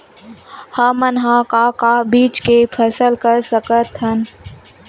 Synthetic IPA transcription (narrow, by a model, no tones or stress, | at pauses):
həmənɦakakabiːt͡ʃkepʰəsəlkəɾsəkət̪ɦən